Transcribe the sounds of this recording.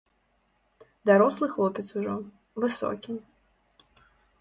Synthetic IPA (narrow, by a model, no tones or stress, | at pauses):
d̪aɾɔslˠɨxlˠɔpʲɛt̪suʐɔ | vɨsɔ̰kʲi